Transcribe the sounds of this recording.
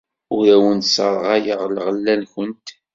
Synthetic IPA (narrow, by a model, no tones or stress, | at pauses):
ʊɾæwənt̪sɑɾˤʁɑjəʁlʁəlːænçənt̪